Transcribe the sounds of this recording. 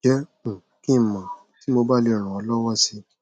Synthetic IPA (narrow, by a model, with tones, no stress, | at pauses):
ɛ̃˨˦˨kĩ˦˨mã˨ | ti˨˦mo˧ba˦˨le˧˨ɾ̃ã˨ɔ˧lɔ˦wɔ˦si˧